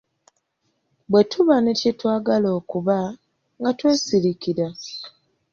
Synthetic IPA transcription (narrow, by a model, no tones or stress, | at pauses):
bwe̞tuβanecetwaːɡalo̞ːkuβa | ŋɡatwe̞ːsiɾikiɾa